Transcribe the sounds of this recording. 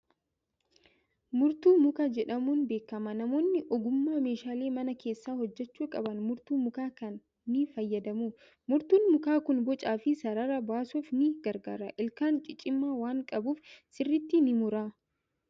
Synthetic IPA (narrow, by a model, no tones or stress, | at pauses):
mʊɾt̪uːmʊkad͡ʒɛᶑɐmuːnbe̞ːkːɐmɐnɐmo̞ːnːɪʔɔɡʊmːaːme̞ːʃaːle̞ːmɐnɐke̞ːsːaːhɔd͡ʒːɛt͡ʃːuːkʼɐbɐnmʊɾt̪uːmʊkaːkɐnː | ɪfɐjːɐd̪ɐmuː | mʊɾt̪uːnmʊkaːkʊnbɔt͡ʃʼaːfɪsɐɾɐɾɐbaːsuːfnɪɡ̥ɐɾɡa̰ːɾɐʔɪlkaːŋt͡ʃʼɪt͡ʃʼɪmːaːwaːŋkʼɐbuːfsɪrːɪt̪ːɪnɪmʊɾaː